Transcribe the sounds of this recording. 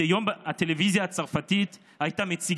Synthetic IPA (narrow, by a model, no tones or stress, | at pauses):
ejomat̪elevizjaːt͡saʁfat̪it̪ | ajt̪amet͡siɡ